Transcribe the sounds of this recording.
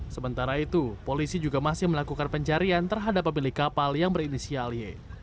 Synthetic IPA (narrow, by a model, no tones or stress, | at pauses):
səmənt̪aɾait̪upolisid͡ʒuɡamasɪhməlakukanpəɲt͡ʃaɾiant̪ərɦadapːəmilɪkːapaljaŋbəɾinisialje